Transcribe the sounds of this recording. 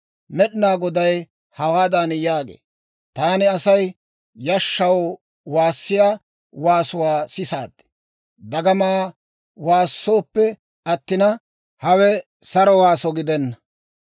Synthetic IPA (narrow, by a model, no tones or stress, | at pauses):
mɛɗɪnaːɡɔd̪ɐj | hɐwaːd̪ɐnjaːɡḛː | t̪aːnɪɐsɐj | jɐʃːɐw | waːsːɪjaː | waːsʊwaːsɪsaːd̪ːɛ̥ | d̪ɐɡɐmaː | waːsːo̞ːpːɛ | ɐt̪ːɪnɐ | hɐwɛ | sɐɾɔwaːsɔɡɪd̪ɛnːɐ